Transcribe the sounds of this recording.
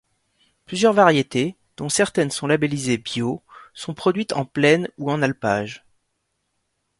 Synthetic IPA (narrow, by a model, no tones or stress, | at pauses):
plyzjœʁvaʁjet̪e | d̪̥ɔ̃sɛʁt̪ɛnsɔ̃labelizebjosɔ̃pχɔd̪ɥit̪ɑ̰̃plɛnuɑ̃nalpa̰ʒ